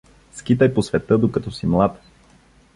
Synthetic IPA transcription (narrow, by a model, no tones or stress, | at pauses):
skit̪əjposvɛt̪ɤd̪okɐt̪ɔsimlˠat̪